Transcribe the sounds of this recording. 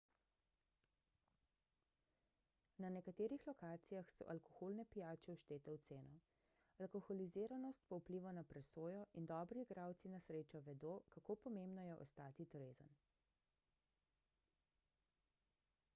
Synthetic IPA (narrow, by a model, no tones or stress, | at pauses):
nanɛkat̪eːɾixlɔkaːt̪sijaxsɔ̰ʔa̰lkɔxoːlnɛpijaːt͡ʃɛwʃt̪eːt̪ɛwt̪seːnɔ | alkɔxɔliziːɾanɔst̪pawpliːʋɔnapɾɛsoːjɔʔind̪ɔːbɾiɡɾawt̪sinasɾeːt͡ʃɔʋɛd̪oːkakopɔmembnɔjɛʔɔ̰st̪aːt̪it̪ɾeːzə̰n